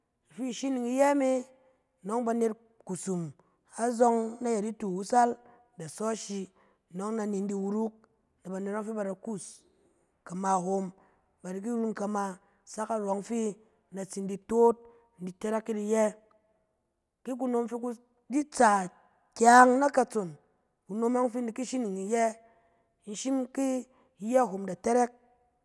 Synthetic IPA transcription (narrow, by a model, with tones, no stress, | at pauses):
fi˦˨ʃi˦ni˨ŋi˧˦jɛ˦me˦ | no˦ŋba˧ne˧t̚ | ku˨su˨m | a˦zɔ˦ŋna˦ja˨di˦tu˨wu˦sa˦l | da˨sɔ˦ʃi˧ | no˨˦ŋna˧ni˨n̩˦di˧wu˦ɾu˦k̚ | na˨ba˨ne˨ta˦fi˦ba˨da˨ku˦˨s | ka˨ma˧˨ɦo˧m | ba˨di˨k̬i˦ɾu˦nka˧ma˧ | sa˦ka˨ɾɔ˨˦ŋfi˦ | na˨t͡si˨n̩˦di˧to˦t̚ | n̩˦di˨te˦ɾe˦kːi˦di˧jɛ˦ | ki˦k̬u˦no˧mfi˧ku˦ | di˦t͡sa˨ | kʲa˦ŋna˦ka˧t͡so˨n | ku˨no˧ma˦ŋ˦fi˦n̩˦di˨ki˦ʃi˦ni˨ŋi˨jɛ˦ | n̩˦ʃi˦mki˦ | jɛ˦a˨ɦo˨mda˨te˦ɾe˦k̚